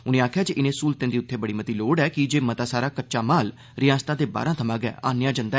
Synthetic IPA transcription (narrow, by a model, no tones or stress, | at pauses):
ʊnẽːaːkʰjaːt͡ʃʔɪnẽːsuːlt̪ẽːd̪iːʊt̪ʰːeːbəɽiːmət̪iːloːɽɛːkɪd͡ʒeːmət̪aːsaːɾaːkət͡ʃaːmaːl | ɾɪjãːst̪ãːd̪eːba̰ːɾãːt̪ʰəmãːɡɛ̰ːʔaːnejaːd͡ʒənd̪a